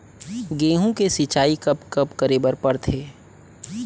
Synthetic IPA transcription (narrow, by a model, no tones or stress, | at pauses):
ɡeːɦũkesit͡ʃaːikɐpkəpkəɾeːbəɾpəɾt̪ʰeː